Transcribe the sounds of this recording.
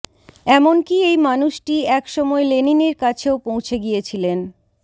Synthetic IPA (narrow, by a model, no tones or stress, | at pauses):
ɛmonkiejmanuʃʈiɛkʃɔmɔeleniniɾkat͡ɕʰeopõw̃t͡ɕʰeɡijet͡ɕʰilen